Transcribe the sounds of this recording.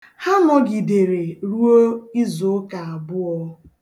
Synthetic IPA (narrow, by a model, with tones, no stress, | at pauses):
ha˦nɔ˦ɡi˨de˨ɾe˨ɾu˦o˦i˦zo˨˦ka˨a˨bʊ˦ɔ˦